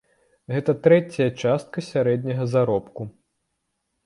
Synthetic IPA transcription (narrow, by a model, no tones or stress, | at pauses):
ɣɛt̪ɐt̪ɾɛt͡sʲɐjɐt͡ʂast̪̚kɐsʲaɾɛd̪ʲnʲɐɣɐzaɾɔpku